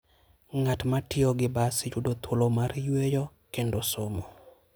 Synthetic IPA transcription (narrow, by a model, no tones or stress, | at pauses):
ŋatmatɪɔɡɪbasɪt͡ʃudot̪ʰolomaɾjwejɔ | kendosomo